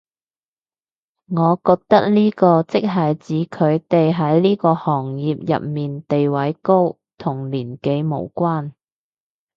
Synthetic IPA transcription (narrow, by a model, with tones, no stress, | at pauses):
ŋɔː˨˧kɔː˧k̚t̪ɐ˥k̚liː˥kɔː˧t͡sɪ˥k̚ɦɐ˨jt͡siː˨˥kʰɵ˨˧ɥt̪e˨jɦɐ˨˥jliː˥kɔː˧hɔː˨˩ŋjiː˨p̚jɐ̰˨p̚miː˨nt̪e˨jwɐ˨˥jko˥w | t̪ʰʊ˨˩ŋliː˨˩nke˨˧jmo̰˨˩wkwaː˥n